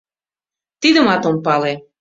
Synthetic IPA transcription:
t̪id̪ə̆mɑt̪ompɑle

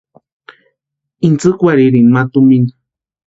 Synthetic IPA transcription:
int͡sɨkʷaɾiɾinmat̪uminḁ

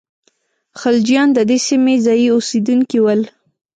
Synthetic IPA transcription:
xald͡ʒijɑnd̪əd̪esimezɑjiosed̪unkiwəl

